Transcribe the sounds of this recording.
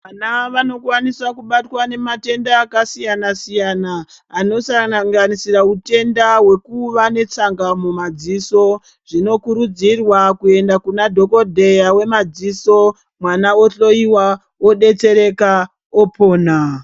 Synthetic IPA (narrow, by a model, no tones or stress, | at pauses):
anaʋano̞kwanisakuɓatwane̞mate̞ndaːkasijanasijanaː | no̞saŋanisiraute̞ndawe̞kuʋane̞t͡saŋɡamumad͡ziso̞ | ʐ̥ino̞kuɾud͡zirwakue̞ndakunadʱo̞ko̞dʱe̞jawe̞mad͡ziso̞ | mwanaoɬo̞iwa | oɗe̞t͡se̞ɾe̞ka | opʰo̞ːna